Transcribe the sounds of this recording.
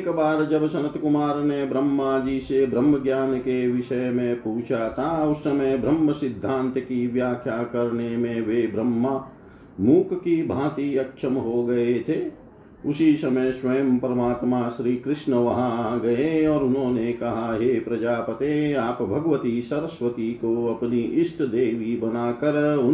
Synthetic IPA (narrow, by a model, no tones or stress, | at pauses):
kbaːd̪d͡ʒɐbsɐ̃nət̪kʊmaːɾnebɾəmːad͡ʒiːsebɾəmːəɡjaːnkeʋɪʃəjmẽpuːt͡ʃʰat̪ʰaʊssɐməjbʱɾəmːəsɪd̪ʱːãːnt̪kiʋjaːkʰjakɐɾnemẽʋeːbɾəmːa | muːkkibʱãːt̪iɐkʃəmɦoɡɐet̪ʰeː | ʊsisɐməjsʋɐjəmpəɾɐmaːt̪maʃɾiːkɾɪʃnəʋɐɦãɡɐeɔːɾʊnɦõːnekɐɦaɦeːpɾɐd͡ʒaːpət̪eaːpbʱɐɡʋət̪isɐɾəsʋət̪ikoɐpniʔɪʃʈʰd̪eːʋibɐnaːkəɾʊ